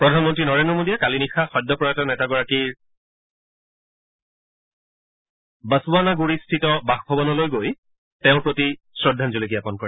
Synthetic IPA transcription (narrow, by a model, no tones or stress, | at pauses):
pɹɔdʱanmɔntɹinɔɹendɹɔmodijakalinixʰaxɔjdːɔpɔɹatanɛtaɡɔɹakiɹ | bəsubanaɡuɹistʰitɔbaxbʱɔbɔnɔlojɡoj | tɛʊ̃pɹoti | sɹɔdʱːanzulik̬ijapɔnkɔɹɛ